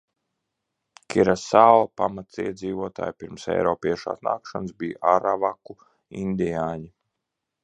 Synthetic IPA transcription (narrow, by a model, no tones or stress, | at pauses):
kʲiɾasaːlˠapamat̪siɛd̪ziːvuɔt̪a̰ːjpiɾmsɛ̰jɾɔːpiɛʃa̰ːsna̰ːkʃansbijʔaɾavaku | inʲd̪ijaːɲi